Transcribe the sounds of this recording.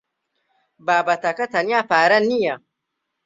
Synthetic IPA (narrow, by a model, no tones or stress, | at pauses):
baːbatakatanapaːɾɐnːija